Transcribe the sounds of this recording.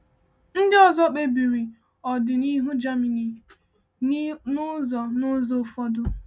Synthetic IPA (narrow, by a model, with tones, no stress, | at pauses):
n̩˦dɪ˦ɔ˨zɔ˦k͡pe˦bi˨ɾi˨ | ɔ˨dɪ˨ni˦ɦu˦d͡ʒa˦mi˨ni˨ | ʊ˦zɔ˨nʊ˦zo˦˨fɔ˦dʊ˦